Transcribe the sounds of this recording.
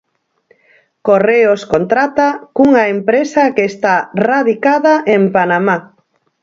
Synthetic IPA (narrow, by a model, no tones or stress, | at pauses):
koreoskont̪ɾat̪akuŋaempɾesakeːst̪araðikaðaʔempanama